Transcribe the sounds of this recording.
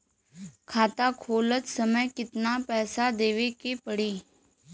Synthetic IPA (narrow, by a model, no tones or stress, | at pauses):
kʰaːt̪akʰoːlət̪səməjkɪt̪napɛːsad̪eːʋekepəɽiː